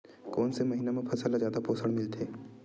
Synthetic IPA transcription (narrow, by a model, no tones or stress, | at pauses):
koːnsemɐɦinamẽpʰɐsəlazjaːd̪apoːsəɽ̃mɪlt̪ʰeː